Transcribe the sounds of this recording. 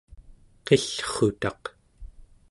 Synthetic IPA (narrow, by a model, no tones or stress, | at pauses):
qeɬχut̪ɑq